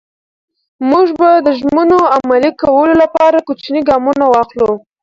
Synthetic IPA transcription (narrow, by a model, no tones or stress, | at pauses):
muʒbad̪əʒmənoamalikawəlolapɑɾakot͡ʃniɡɑmunawɑxlu